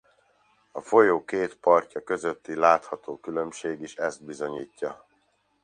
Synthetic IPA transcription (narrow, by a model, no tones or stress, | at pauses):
ɒfo̞joːkeːt̪pɒrcɒkø̞zøt̪ːilaːt̪hɒt̪oːkylø̞mʃeːɡiʃɛzd̪̚bizo̞ɲiːcːɒ